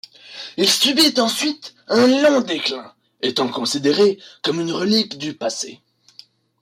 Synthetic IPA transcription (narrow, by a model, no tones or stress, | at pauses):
ilsybit̪ɑ̃sɥit̪ɛ̃lɔ̃d̪eklɛ̃ | et̪ɑ̃kɔ̃sid̪eʁekɔmynʁəlikd̪ypasḛ